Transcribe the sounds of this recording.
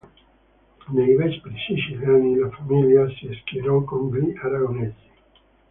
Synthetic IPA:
nejvɛt͡ʃpɾiʃiʃiljanilafamiljasieskiɾɔkombiʔaɾaɡonezi̥

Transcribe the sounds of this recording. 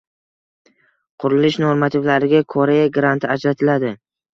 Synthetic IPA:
qʰʊɾɪlɪʃnoɾmat̪ʰɪvlaɾɪɡʲakʰoɾejaɡɾant̪ʰɪad͡ʒɾat̪ʰɪlad̪ɪ

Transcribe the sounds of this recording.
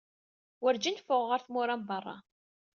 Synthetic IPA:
wəɾd͡ʒinfʊʁːəɾθmʊɾambərˤːɑ̰

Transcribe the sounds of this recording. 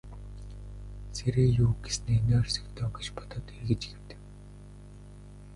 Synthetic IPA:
sʰeɾeːjuːɡesɘ̆neːneːrʲsə̥̆kt̪ʰɔːŋɡĕt͡ɕpɔ̥t̪ɔ̆t̪erɣɘ̆t͡ɕɡew̥t̪ɘ̥̆k

